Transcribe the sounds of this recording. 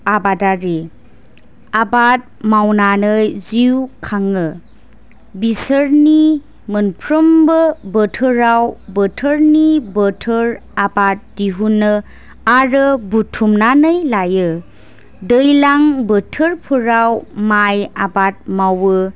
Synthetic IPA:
abadaɾe | abat̚mawnanɯjziwkʰaŋɯ | bisəɾni | mənpʰɾəmbɯbətʰɯɾawbətʰəɾnibətʰɯɾabat̚diɦunɯ | aɾɯbutʰumnanɯjlajɯ | dɯjlaŋbətʰɯɾpʰuɾawmajabat̚mawɯ

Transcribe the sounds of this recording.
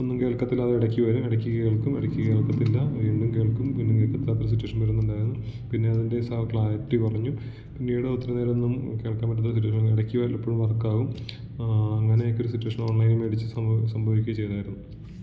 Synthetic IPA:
onːumke̞ːɭkːɐt̪ːilɐðɨiɽɐkʲːiʋɐɾumiɽɐkʲːikɐeːɭkumḭɽɐkʲːɨkeːɭkːɐt̪ːilːɐʋiːɳɖumke̞ːɭkumpinːumkeːɭkːɐt̪ːilaːt̪ɐɾusitːuɐʂɐnpɐɾunːeɳɖaːjiɾunːupinːe̞ɐðinde̞sɐkɭaːjɐʈːipɐrɐɲːu | pinːejuɽeot̪ːiɾɐneːɾenːumke̞ːɭkːaːmpɐʈ̬ːɐt̪ːɐsit̬ːuɐʂɐniɽɐkʲːiʋɐlpːoɻumʋɐrɐkːaːɣum | ɐŋːɐneokʲːo̞ɾusitːuɐʂɐno̞ːɳlɐjnumʋeːɽit͡ɕːɨsɐsɐmbʱɐʋikʲːuɐt͡ɕe̞jt̪aːjiɾunːu

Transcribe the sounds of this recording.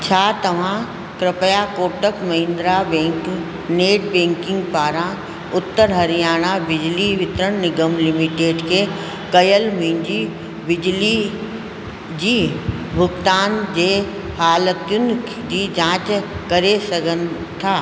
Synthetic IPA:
t͡ɕʰaːt̪ɐʋ̤ã | kɾɪpəjakoːʈəkmɐɦɪ̃nd̪ɾabẽːŋk | neːʈbẽːŋkɪ̃ŋɡpaːɾã | ʊt̪ːəɾɦɐɾijaːɽ̃abɪd͡ʑliʋɪt̪ɾəɳ̃nɪɡəmlɪmɪʈeːɖke | kɐjəlmĩːɲd͡ʑi | bɪd͡ʑli | d͡ʑiː | bʱʊɡt̪aːnd͡ʑeː | haːlət̪jʊn | d͡ʑiːd͡ʑãːt͡ʃkɐɾesɐɡənɪ̆ | t̪ʰaː

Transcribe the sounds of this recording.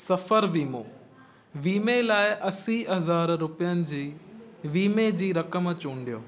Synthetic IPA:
sɐfəɾʋiːmoː | ʋiːmelaːɪʔɐsiɦɐɦɐzaːɾɾʊpijənɪ̆d͡ʑiːʋiːmed͡ʑiːɾɐkəmt͡ɕũːɳɖijoː

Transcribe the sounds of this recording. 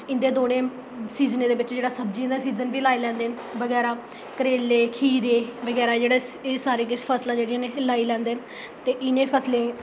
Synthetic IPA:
ɪ̃nd̪eːd̪oːɽẽː | siːznẽːd̪eːʋɪt͡ʃd͡ʒeːɽaːsəbd͡ʒiãːd̪aːsiːzənʋiːlaːiːlɛ̃ːnd̪eːn | bəɡɛːɾaː | kəɾeːlːeːkʰiːɾeːʋəɡɛːɾaːd͡ʒeːɽaːeːsaːɾeːk̬ɪspʰəslãːd͡ʒeːɽijãːneːlaːiːlɛ̃ːnd̪eːn | t̪eːʔɪnẽːpʰəsleː

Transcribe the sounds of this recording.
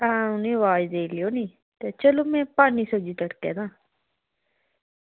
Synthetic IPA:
ãːʊnẽːʋaːd͡ʒd̪eːlɪjoːnĩː | t̪eːt͡ʃəloːmɛ̃ːpaːniːsəd͡ʒiːt̪əɽkɛ̰ːd̪ãː

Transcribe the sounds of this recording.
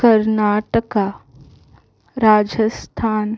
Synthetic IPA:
kəɾnaːʈəka | ɾaːd͡ʒəst̪ʰaːn

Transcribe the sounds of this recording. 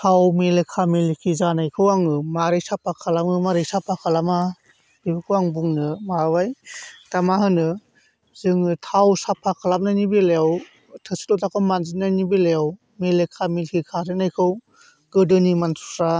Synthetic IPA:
tʰawmelekʰamilkʰizanajkʰɯwaŋɯmaɾejsapʰakʰalamɯmaɾejsapʰakʰalama | b̥ibɯkʰɯwaŋbuŋnɯmabajtamaɦɯnɯ | zɯŋɯtʰawsapʰːakʰalap̚najnibelejaw | tʰɯsi̥lɔtakʰawmanzinajnibelejaw | melekʰamilkʰikʰazɯnajkʰɯw | ɡ̥ɯdɯnimansu̥sa

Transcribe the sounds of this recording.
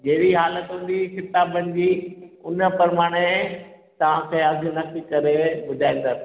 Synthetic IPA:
d͡ʑeɦɪɽiɦaːlət̪ɦʊ̃n̆ːd̪ixɪt̪aːbənɪ̆d͡ʑiːʊnə̆pɐɾmaːɽ̃e | t̪ɐʋ̤ãkʰeːɐdʱinɐkikɐɾebʊd̪ʱaːĩːnd̪aːs

